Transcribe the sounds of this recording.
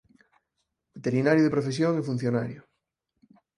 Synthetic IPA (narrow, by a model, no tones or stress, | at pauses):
bet̪eɾinaɾjoðepɾofes̬joŋefun̟θjonaɾjʊ